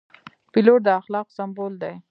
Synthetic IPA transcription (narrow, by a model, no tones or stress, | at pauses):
piloʈ̚d̪əaxlɑqsambold̪aj